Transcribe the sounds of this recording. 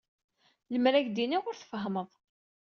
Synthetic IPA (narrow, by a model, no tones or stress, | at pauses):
ləmɾæʝd̪iniʁʊɾθəfəɦməðˤ